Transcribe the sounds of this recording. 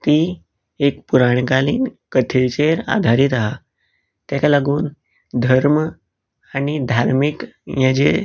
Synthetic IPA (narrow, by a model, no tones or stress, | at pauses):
t̪iː | ekpuɾaɳ̃kaliːnkət̪ʰet͡ɕeɾa̰d̪ʱaɾit̪aɦa | t̪jakalaɡuːn | d̪ʱəɾmə | añid̪ʱaɾmikjãd͡ʑe